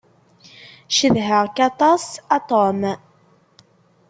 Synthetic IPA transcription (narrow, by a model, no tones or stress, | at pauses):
ʃəðɦəʁkɑt̪ˤɑsɑt̪ˤom